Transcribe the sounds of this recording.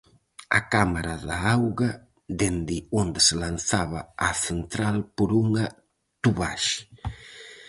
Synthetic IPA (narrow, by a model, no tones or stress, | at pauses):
ɐ̰kamaɾɐðaawɣɐ | d̪end̪ɪond̪ɪsɪlanθaβɐːθent̪ɾalpoɾuŋɐ | t̪uβaʃ